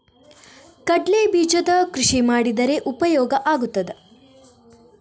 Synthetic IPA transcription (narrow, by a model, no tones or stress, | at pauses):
kɐɖleːbiːd͡ʒɐd̪ɐkɾuʂimaːɽid̪ɐɾe̞ʔupɐjɔːɡɐʔaːɡut̪ːɐd̪e